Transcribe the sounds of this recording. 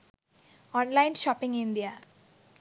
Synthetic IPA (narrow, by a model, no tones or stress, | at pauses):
ɔːnlaɪnʃɔːpɪ̃ŋɡɪnd̪ija